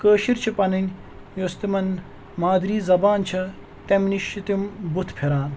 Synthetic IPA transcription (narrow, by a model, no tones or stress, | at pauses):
kəːʃiɾt͡ʃʰipɐnɐnʲ | jost̪imɐn | maːd̪ɾiːzɐbaːnt͡ʃʰɐ | t̪emniʃit̪imbut̪ʰpʰeɾaːn